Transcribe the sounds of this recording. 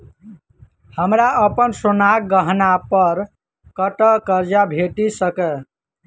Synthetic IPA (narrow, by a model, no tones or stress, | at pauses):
həmɾaʔəpənsonak̚ɡəɦnapəɾ | kəʈəkəɾd͡ʒabʱeʈisəkə